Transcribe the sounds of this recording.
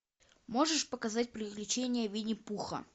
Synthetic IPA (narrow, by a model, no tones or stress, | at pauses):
mo̞ʐɨʂpəkɐzat̚ʲpɾʲɪklʲɪt͡ɕenʲɪjəvʲinʲɪpuxə̰